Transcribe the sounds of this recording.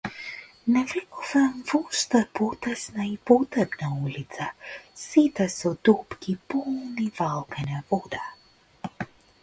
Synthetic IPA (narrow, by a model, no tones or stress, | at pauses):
nɛvɛkuvamvɔʃt̪apɔt̪ɛsnaipɔt̪ɛbnaulit̪sasit̪ɛsɔd̪upkipɔlˠnivalˠkanɛvɔd̪a